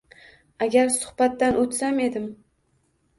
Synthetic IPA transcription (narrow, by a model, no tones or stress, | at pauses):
aɡʲaɾsʊ̥hbat̪ːanʔot̪same̞d̪ɪm